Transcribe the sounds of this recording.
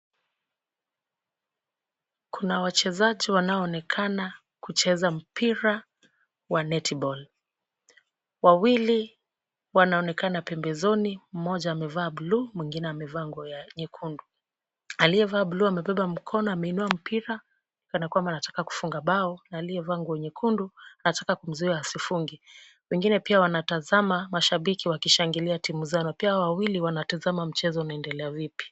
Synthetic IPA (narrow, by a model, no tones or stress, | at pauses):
kʰunawat͡ʃɛzaʄiwanaɔːnɛkʰana | kut͡ʃɛzam̩piɾa | wanɛtbɔl | wawili | wanaɔnɛkanapɛmbɛzɔnim̩mɔʄaːmɛvaːblumwiŋɡinɛamɛvaŋɡɔjaɲɛkʰundu | alijɛvaːbluamɛɓɛɓam̩kʰɔnɔamɛinuam̩piɾa | nikanakwambanatḁkaku̥fuŋɡaɓaɔnaːlijɛvaːŋɡwɛɲikʰunduanatakakum̩zuiaːsifuŋɡi | wɛŋɡinɛpiawanatazamamaʃaɓikiwakiʃaŋɡiliatimuzaɔnapiahaɔwawiliwanatazamam̩t͡ʃɛzɔunaɛndɛlɛavipi̥